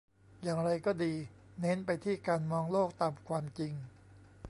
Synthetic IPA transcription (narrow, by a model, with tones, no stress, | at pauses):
jaː˨˩ŋɾa˧jkɔː˥˩diː˧ne˦˥npa˧jt̪ʰiː˥˩kaː˧nmɔː˧ŋloː˥˩k̚t̪aː˧mkʰwaː˧mt͡ɕi˧ŋ